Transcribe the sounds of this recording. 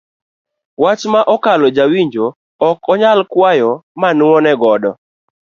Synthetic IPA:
wat͡ʃmaʔɔkalɔd͡ʒawiɲd͡ʒo | ɔkɔɲalkwajɔmanʊɔnɛɡɔdɔ

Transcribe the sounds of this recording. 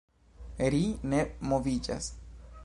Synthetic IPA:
ɾine̞movid͡ʒa̰s

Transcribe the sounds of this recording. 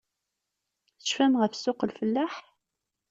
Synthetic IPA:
θə̥ʃfæmʁəfsʊqəlfəlːaħ

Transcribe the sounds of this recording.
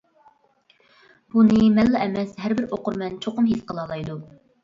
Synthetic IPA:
b̥unɨmɛlːɛʔɛmɛsɦæɾbɪɾʔoqʊɾmɛnt͡ʃʰoqʊmɦisqʰəlˠɑlˠɑjd̪u

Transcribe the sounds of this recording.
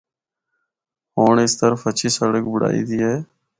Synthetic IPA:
ɦoːɳɪst̪əɾəfət͡ʃʰiːsəɽəkbʊɽa̰ːḭːd̪iːɦeː

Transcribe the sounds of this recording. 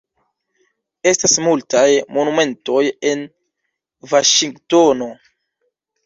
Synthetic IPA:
e̞stasmultajmo̞nume̞nto̞je̞n | vaʃiŋɡto̞no̞

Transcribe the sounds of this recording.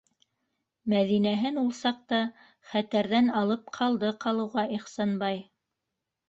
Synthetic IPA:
mæðinæɦɘnulˠsɑq̚t̪ɑ | χæt̪æɾðænɑlˠɤp̚qʰɑlˠd̪ɤqɑlˠɤ̆wʁɑʔiχsɑnbɑj

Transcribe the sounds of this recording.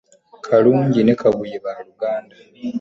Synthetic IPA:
kʰaluːɲɟine̞kaβujeβaluɡaːnda

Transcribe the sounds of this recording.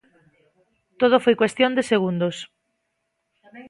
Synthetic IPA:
t̪oðofojkwest̪jõnd̪eseɣ̞und̪os

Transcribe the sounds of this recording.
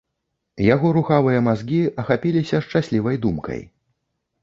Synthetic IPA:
jaɣɔɾuxavɨjɐmazɡʲiɐxapʲilʲisʲɐʂt͡ʂasʲlʲivɐjd̪umkɐ̰j

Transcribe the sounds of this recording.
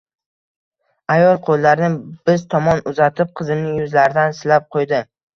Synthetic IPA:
ajɒlˠqʰolˠːaɾnɪb̥ɪzt̪ʰɒmɒnʊzat̪ʰɪp̚qʰɨzɪmnɪjʊzlaɾɪd̪ansɪlap̚qʰojd̪ɪ

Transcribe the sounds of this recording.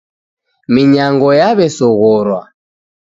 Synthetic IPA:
miɲaŋɡɔjaβɛsɔɣɔɾwa

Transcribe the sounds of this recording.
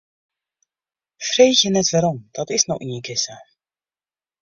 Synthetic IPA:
frejxjənɛtvaɾɔmd̥ɑtɪsnɔxɪnjəkɪsə

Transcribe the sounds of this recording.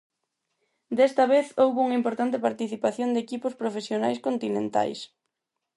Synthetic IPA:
d̪ɛst̪ɐβeθowβouŋimpoɾt̪ant̪ɪpaɾt̪iθipaθjond̪ekipʊspɾofesjonajskont̪inẽnt̪a̰js

